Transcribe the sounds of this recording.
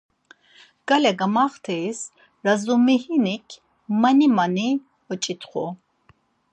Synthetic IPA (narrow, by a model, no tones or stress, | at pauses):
ɡ̥alɛɡamaːχt̪ʰɛjs | ɾazumihinikʲʰ | manimani | ɔt͡ʃʼit̪ʰʼχɔ